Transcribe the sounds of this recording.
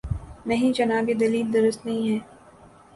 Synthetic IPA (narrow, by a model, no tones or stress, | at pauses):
nɐɦĩd͡ʒɐnaːbed̪ɐliːld̪ɐɾəst̪nɐɦĩɦɛː